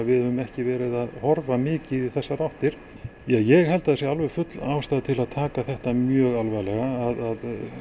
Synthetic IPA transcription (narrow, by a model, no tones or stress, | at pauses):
vɪðhɛvʏmɛhcɪvɛːɾɪðaðhɔɾvamɪːcɪðiθɛsːaɾawht̪ɪɾ̥ | jajɛɣɦɛlt̪aðɪsjaalvɛɣfʏt̪laːwst̪aːðt̪ʰɪlaðt̪ʰaːkaθɛht̪amjœːɣalvaɣlɛɣaːðað